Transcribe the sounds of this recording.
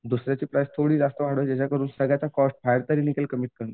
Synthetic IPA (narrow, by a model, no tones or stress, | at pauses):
d̪usɾjat͡ɕiːpɾajst̪ʰoɽiːd͡zast̪əʋaɽ̤ʋəd͡ʑat͡ɕakəɾuːnsəɡɭjat͡sakɔsʈ̚fʰajəɾt̪əɾiːnikelkəmiːʈ̚kəɾna